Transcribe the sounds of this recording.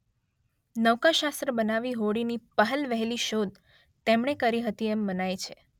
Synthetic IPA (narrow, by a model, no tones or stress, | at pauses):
nəʋkaʃast̪ɾəbənaʋiɦoɽinipəɦəlʋəɦeliʃod̪ | t̪emɳekəɾiɦət̪iemːənajt͡ʃʰe